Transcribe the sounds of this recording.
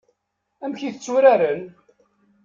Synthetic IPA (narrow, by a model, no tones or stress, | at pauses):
æmçiθət͡sːuɾaɾən